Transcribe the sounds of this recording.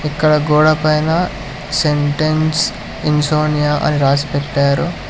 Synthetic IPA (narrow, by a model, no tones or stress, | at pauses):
ikːɐɽɐɡoːɽɐpɐjnɐ | seɳʈens | insoːnijaʔɐ̰niɾaːsi̥peʈːaːɾu